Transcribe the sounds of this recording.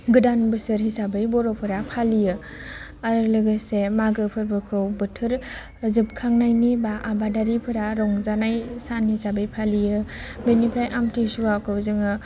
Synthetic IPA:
ɡɯdanbɯsɯɾɦisabɯjbɔɾɔpʰɯɾapʰalijɯ | aɾɯlɯɡɯsemaɡɯpʰɯɾbɯkʰɯwbɯtʰɯɾ | zɯp̚kʰaŋnajnibaʔabadaɾipʰɯɾaɾɔŋzanajsanhisabɯjpʰalijɯbenipʰajʔamtʰisuwakʰɯwzɯŋɯ

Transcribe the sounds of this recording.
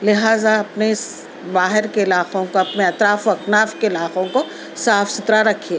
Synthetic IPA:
lɪɦaːzaɐpnes | baːɦɪɾkeɪlaːqõkoɐpneɐt̪ɾaːfoɐknaːfkeɪlaːqõko | saːfsɪt̪ɾaɾɐkʰieː

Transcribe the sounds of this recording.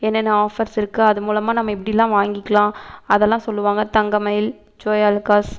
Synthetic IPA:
ɛnːɛnːɐaːfɐɾsɪɾɯkːɯɐðɯmuːlɐmaːnɐmːɐɛp̬ːɐɽɪjlːãːʋaːŋɡɪkːɐlãːɐðɛlːãːsɔlːɯʋaːŋɡɐt̪ɐŋɡɐmɐjɪl | d͡ʒoːjaːlkaːs

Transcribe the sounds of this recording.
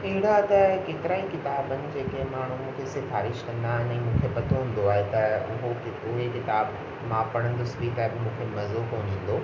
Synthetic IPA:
ɐɦɪɽat̪ɐkeːt̪ɪɾaːikɪt̪aːbənɪ̆d͡ʑeːkẽmaːɳ̤umũːkʰesɪfaːɾɪʃkɐ̃nd̪aːɦɪnɛ̃ːmũːkʰepɐt̪ʰoɦũn̆d̪oaːɦet̪ɐʊɦokɪʊɦekɪt̪aːb | mãpɐɽ̃ə̃n̆d̪ʊsɪbiːkaːɦebɪmũːkʰemɐzokoːnĩːn̆d̪oː

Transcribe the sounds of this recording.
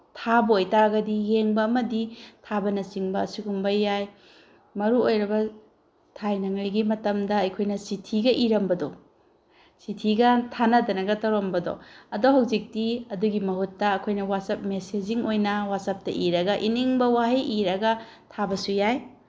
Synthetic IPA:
tʰabojtaɡɐdijeŋbɐːmɐditʰabɐnɐt͡ʃiŋbɐːsuɡumbɐːaj | mɐɾuojɾɐbɐ | tʰajnɐŋɐjɡimɐtɐmdɐːjkʰojnɐsitʰiɡɐʔiɾɐmbɐdɔ | sitʰiɡɐtʰanɐdɐnɐɡɐtɐwɾɐmbɐdɔ̰ɐdoɦɐwzik̚tiɐduɡimɐɦutːɐːkʰojnɐwasɐp̚mesed͡ʒiŋojnɐwasɐp̚tɐʔiɾɐɡɐʔiniŋbɐwaɦejʔiɾɐɡɐ | tʰabɐsujaj

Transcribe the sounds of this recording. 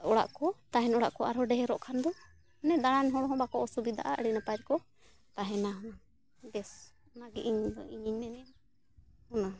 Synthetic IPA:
ɔɽa̰ʔkɔt̪aɦɛnɔɽaʔkɔaɾɦɔɖɛɦɛɾɔʔkʰand̪ɔ | nɛd̪aɽ̃anɦɔɽɔɦɔ̃bakɔʔɔsubid̪a̰ʔaəɽinapaɾikɔ | t̪aɦɛnaɦɔna | d̪ɛs | naɡiʔiɲd̪ɔ̰iɲiɲnɛnɛn | hɔna

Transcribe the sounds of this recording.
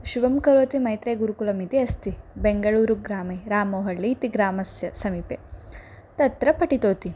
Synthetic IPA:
ʃuʋɐmkɐɾoːt̪imɐjt̪ɾeːɡuɾukulɐmit̪iɐst̪ibeŋɡɐɭuːɾuɡɾaːmeɾaːmoːɦɐɭːit̪iɡɾaːmɐsjɐsɐmiːpe | t̪ɐt̪ɾɐpɐʈit̪oːt̪i

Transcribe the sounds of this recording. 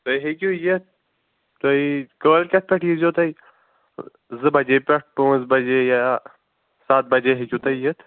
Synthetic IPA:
t̪oiɦekʲujɐt̪̚ | t̪oikəːlkʲɐt̪̚pʲeʈʰjizjoːt̪ɐi | zɨbɐd͡ʒeːpʲeʈ̚ʰpõːzbɐd͡ʒeja | saːt̪̚bɐd͡ʒeɦekʲut̪ɐijɐt̪ʰ

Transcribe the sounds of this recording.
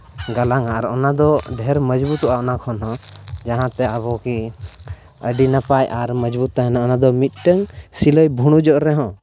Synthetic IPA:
ɡalaŋaɾɔ̰nad̪ɔɖʱɛɾməd͡ʒbut̪uʔaɔnakʰɔnɦɔ̃d͡ʒaɦãt̪ɛabɔki | əɖinapajʔaɾməd͡ʒbut̪ːaɦɛnaɔnad̪ɔmit̪̚ˀʈəŋsiləjbʱuɽ̃ud͡ʒɔʔɾɛɦɔ̃

